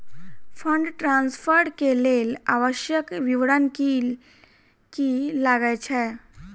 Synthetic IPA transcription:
fəɳɖʈɾãnsfəɾɾkelelaʋəɕjəkʋiʋɽanki | kilaɡajt͡ɕʰɛ

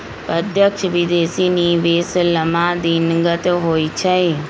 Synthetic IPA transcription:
pəd̪ʱjəkʃʋɪd̪eːsiːniːʋeːsləmãːd̪iːnəŋɡət̪ɦoːiːt͡ʃʰəeː

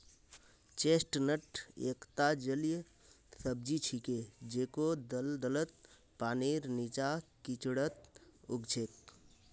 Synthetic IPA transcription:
t͡ʃesʈnəʈʰḛkt̪ad͡ʒəlij | səb̚d͡ʒit͡ʃʰiked͡ʒekod̪əld̪ələt̪̚ | paneɾnit͡ʃakit͡ʃɽət̪uɡd͡ʒek̪̚

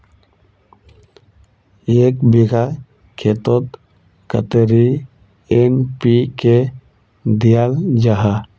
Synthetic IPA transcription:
eːkbiɡa | kʰet̪ot̪ | kə̰t̪eɾi | enpike | d̪ijald͡ʒaɦa

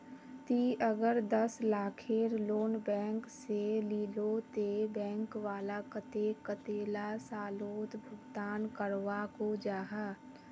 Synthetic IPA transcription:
t̪iːəɡəɾd̪ɐslaːkʰeːɾloːnbɛ̃ːŋkseliːlot̪ebɛ̃ːŋkʋaːlakət̪ekət̪eːlasaːloːt̪bʱʊɡt̪aːnkəɾʋakod͡ʒaːɦaː

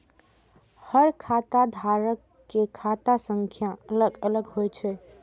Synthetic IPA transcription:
həɾkʰat̪ad̪ʱaɾəkːekʰat̪asəŋkʰjaələɡələɡɦojt͡ʃʰɛ

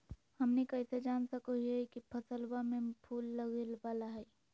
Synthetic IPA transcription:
hɐmnekɐɪsed͡ʒaːnsɐkoɦiɦɛkipʰɐsəlwamẽpʰuːlːɐɡelbaːlaɦɛː

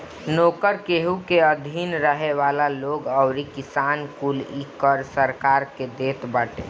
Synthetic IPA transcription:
noːkəɾkeɦukeəd̪ʱinɾəɦeʋalaloɡəʊɾikisankulikəɾsəɾkaɾked̪eːt̪bəːʈḛ

